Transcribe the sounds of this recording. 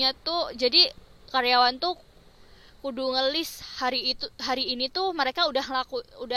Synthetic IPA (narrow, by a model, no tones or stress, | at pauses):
at̪ud͡ʒadikaɾjawant̪u | kuduŋəlɪshaɾit̪ɦaɾiːnit̪uməɾekaudahŋlakuuda